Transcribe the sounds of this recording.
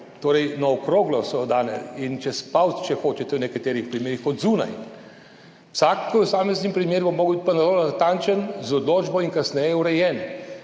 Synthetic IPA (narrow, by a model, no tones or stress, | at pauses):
t̪oːɾɛjnɔɔkɾoːɡlɔsɔd̪aːnɛ̰int͡ʃɛspawt̪t͡ʃɛxoːt͡ʃɛt̪ɛwnɛkat̪eːɾixpɾimeːɾixɔd̪zuːna̰j | wsaksaːmeznipɾimeːɾubɔmːoːɡbit̪ʲpanɐloːnat̪ant͡ʃɛnzɔd̪loːd͡ʒbɔinkasnɛjɛuɾɛjɛːn